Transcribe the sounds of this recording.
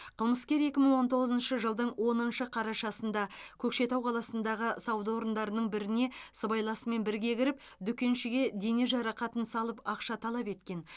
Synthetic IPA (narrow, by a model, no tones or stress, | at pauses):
qʰəlˠməskʲe̞ɾe̞kʲɪməɴwo̞nt̪o̞ʁəzənʃəʒəlˠd̪əɴwʔo̞nənʃəqʰɑɾɑʃɑsənd̪ɑkʲʰɵkʃe̞t̪ɑwqʰɑlˠɑsənd̪ɑʁəsɑwd̪əwo̞ɾənd̪ɑɾənəɴbɪɾɪne̞səbɑjlˠɑsəme̞nbɪɾɡʲe̞ɡʲɪɾɪp̚ | d̪ʏkʲe̞nʃɪɡʲe̞d̪e̞ne̞ʒɑɾɑqɑt̪ənsɑlˠəpɑqʃɑt̪ʰɑlˠɑpe̞t̪kʲe̞n